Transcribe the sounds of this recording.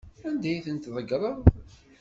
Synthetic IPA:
ænd̪æjθənt̪ðˤəɡɾˤɑð

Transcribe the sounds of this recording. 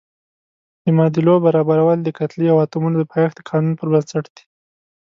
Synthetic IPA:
d̪əmɑd̪ilobaɾɑbaɾawəld̪əkat̪liawɑt̪umunod̪əpʰɑjxd̪əkʰɑnunpəɾbənsaʈd̪̥i̥

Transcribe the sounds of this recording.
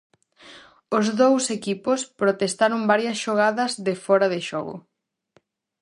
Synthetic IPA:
ozðowsekipospɾot̪est̪aɾoŋbaɾjɐsʃoɣ̞aðɐzðefɔɾɐðeʃɔɣʊ̰

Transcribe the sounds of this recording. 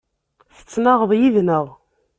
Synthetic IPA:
θə̥t͡sːnəʁðˤjiðnəʁ

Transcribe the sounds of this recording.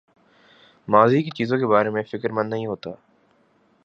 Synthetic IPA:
maːzikit͡ʃiːzõkebaːɾemẽfɪkəɾmɐ̃nːɐɦĩɦoːt̪a̰ː

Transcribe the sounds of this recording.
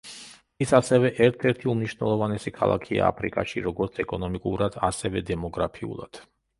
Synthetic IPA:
isasɛvɛʔɛɾt̪ʰɛɾt̪ʰiumniʃvnɛlˠɔvanɛsikʰa̰lˠa̰kʰia̰a̰pʰɾḭkʼa̰ʃiɾɔɡɔɾt̪sʰɛkʼɔnɔmikʼuɾad̪asɛvɛd̪ɛmɔɡɾapʰiṵlˠa̰d̪̥

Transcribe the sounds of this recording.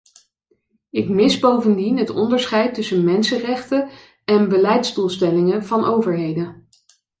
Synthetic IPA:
ɪkmɪsbowvəndinɦətɔ̰ndəɹsχɛjtɵsənmɛnsərɛχtə | ɛnbəlɛjtzdulˠstɛlɪŋəv̥ɑnʔowvəɹɦejdə

